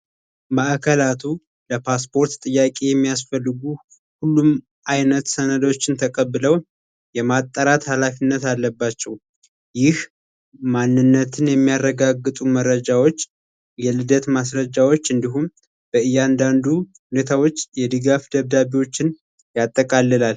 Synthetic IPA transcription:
maʔkʰəlat̪ʰu | ləpʰaspʰo̞ɾt̪t̪ʼːɨjːakʼe̞jɛmːijasfəlːɨɡu | hulːum | ʔajnət̪sənəd̪ot͡ʃːɪnt̪ʰəkʼəβːɨləw | jɛmat̪ʼːəɾat̪halafinːət̪alːəbːat͡ʃːɛw | jɪh | manːɨnːət̪ʰɨnjɛmːijarːəɡaɡːɨt̪ʼuməɾːəd͡ʒawo̞t͡ʃː | jɛlɨd̪ət̪mas̬ɾəd͡ʒawo̞t͡ʃːɨnd̪iɦum | b̥əɨjːand̪and̪uhunet̪ʰawo̞t͡ʃːjɛd̪ɨɡafd̪əβd̪aβiwo̞t͡ʃːɪn | jat̪ʼːəkʼalːɨlal

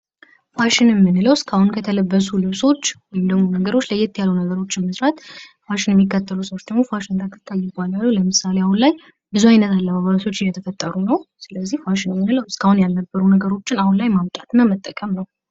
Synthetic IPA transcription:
faʃɪnɛmːɨnləwɪskʰahunkʰət̪ʰələbːəs̬ulɨβso̞t͡ʃːwɔjɪmd̪əɡmo̞nəɡəɾo̞t͡ʃːləjːɛt̪ʰːjalːunəɡəɾo̞t͡ʃːɪməsɾat̪faʃɪnjɛmːikːət̪ʰːəlusəwot͡ʃːd̪əɡmo̞faʃɪnt̪ʰakʰːɨ̥t̪ʰʼːajːɪbalalːuləmɨsaleahunlaj | bɨzuajnət̪alːəβaβasʰo̞t͡ʃːɪjɛt̪ʰəfət̪ʼːəɾunəwsɨləzːihfaʃɪnɛmːɨnləwskʰahunjalːəbːəɾunəɡəɾo̞t͡ʃːɪnahunlajmamt̪ʼat̪nəmət̪ʼːəkʼəmnəw

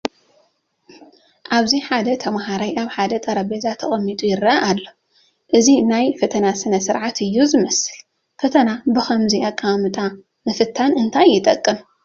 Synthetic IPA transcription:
ʔaβziħad̪ɐt̪ʰɐmaɦaɾajʔaβħad̪ɐt̪ʼɐɾɐbezat̪ʰːɐχʼɐmːit̪ʼujɪɾːɐʔaʔalːo | ʔɨzinajfɐt̪ʰɐnasɨnɐsɨɾʕat̪ʰɨjːuzɨmɐsɨl | fɐt̪ʰɐnabɨxɐmziakʼːamɨt̪ʼa | mɨfɨt̪ʰːanɨnt̪ʰajːɪt̪ʼɐkʼːɨn

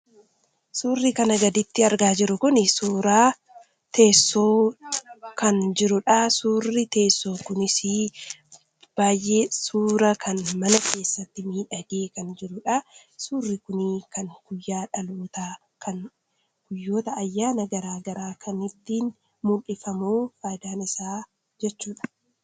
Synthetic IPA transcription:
suːrːikɐnɐɡɐd̪ɪt̪ːɪɐɾɡaːd͡ʒɪɾʊkʊnɪsuːɾaː | t̪e̞ːsːoː | kɐnd͡ʒɪɾʊᶑasuːrːɪt̪e̞ːsːo̞ːkʊnɪsiː | b̥aːjʔːe̞ːsuːɾɐkʰɐnmɐnɐkʰe̞ːsːɐt̪ːɪmiːᶑɐɡeːkɐnd͡ʒɪɾʊᶑa | suːrːɪkʊnikɐŋɡ̥ʊjːaːᶑɐloːt̪aː | kɐn | ɡ̥ʊjːo̞ːt̪ɐːjːaːnɐɡɐɾaːɡɐɾaːkʰɐnɪt̪ːiːn | muᶑɪfɐmuːfaːjd̪aːnɪsaː | d͡ʒɛt͡ʃːuːᶑɐ̥

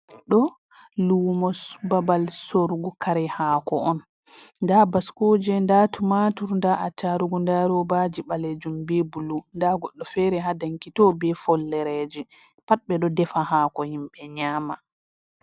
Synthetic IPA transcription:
ɗɔ | lumɔsbabalsoɾɡukaɾɛhaːkɔɔn | ndabaskod͡ʒɛndatumatuɾndaʔataɾuɡundaɾɔbad͡ʒiɓaled͡ʒumbebulundaɡɔɗːɔfɛɾɛɦadaŋkitɔbɛfɔlːɛɾɛd͡ʒɛ | pat̚ɓɛɗɔdɛfaɦakɔhimɓɛɲaːma

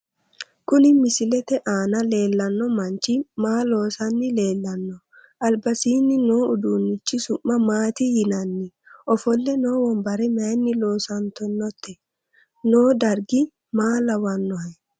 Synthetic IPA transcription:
kʊnɪmɪsɪlɛt̪ɛʔaːnɐle̞ːlːɐnːɔmɐnt͡ʃɪmaːlo̞ːsɐnːɪle̞ːlːɐnːɔ | ʔɐlbɐsiːnːɪnoːʊd̪uːnːɪt͡ʃːɪsʊmːɐmaːt̪ɪhɪnɐnːɪ | ʔɔfɔlːɛno̞ːwɔmbɐɾɛmɐjnːɪloːsɐnt̪ɔnːɔt̪ʰːɛ | noːd̪ɐɾɡɪ | maːlɐwɐnːɔhɐj

